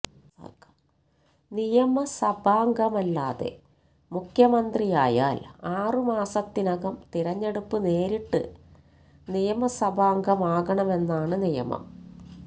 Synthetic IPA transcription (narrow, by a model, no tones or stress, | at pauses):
a̰kɐ̥ | nijɐmɐsɐbʱaːŋɡɐmɐlːaːðḛ | mukʰjɐmɐnd̪rijaːja̰ːlaːrɨmaːsɐt̪ːinɐɣɐmt̪iɾɐɲːe̞ɽupːɨne̞ːɾiʈːɨ̰ | nijɐmɐsɐbʱaːŋɡɐmaːɣɐɳɐme̞nːaːɳɨnijɐ̰mɐ̰m